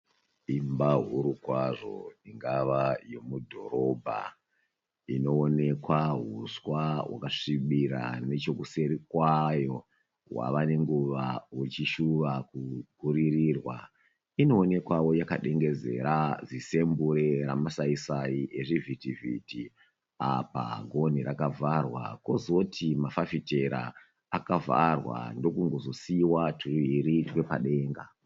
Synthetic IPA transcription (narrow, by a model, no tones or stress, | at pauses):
imbaɦuɾukwaʐo̞̰iŋɡaʋajo̞mudʱo̞̰ɾo̞bʱa̰ | ino̞ːne̞kwaɦuswaɦwa̰kaʂiɓiɾa̰ne̞t͡ʃo̞kuse̞ɾikwajo̞ | wa̰ʋane̞ŋɡuʋawut͡ʃiʃuʋakukuɾiriːrwa̰ | ino̞ːne̞kwawo̞jakaɗe̞ŋɡe̞ze̞̰ɾazise̞mbuɾeɾamasaisaiʔeʐivʱitivḭti | apa̰ɡʱo̞niɾakavarwa̰ko̞zo̞tʰimafafite̞ɾa̰ | akava̰rwa̰ndo̞kuŋɡo̞zo̞siwatʰuruiɾitwe̞paɗe̞ːŋɡa̰